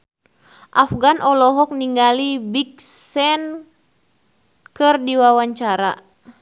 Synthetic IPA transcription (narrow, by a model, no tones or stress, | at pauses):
ʔafɡanʔɔlɔɦɔk̚niŋɡalibik̚sɛn | kɨrdiwawaɲt͡ʃaɾa̰